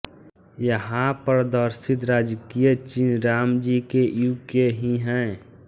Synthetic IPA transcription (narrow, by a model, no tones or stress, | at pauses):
jəɦãpəɾd̪əɾsɪt̪ɾaːd͡ʒkijət͡ʃiːnɾaːmd͡ʒiːkejuːkeɦiɦɛ̃